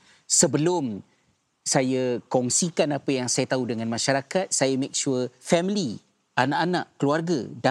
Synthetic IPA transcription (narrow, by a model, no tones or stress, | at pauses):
səbəlʊm | sajakɔŋsikanapajaŋsajat̪audəŋãnmãʃaɾakat̪̚sajamek̚ʃuəfɛmili | anaʔanaʔkəluarɡa̰da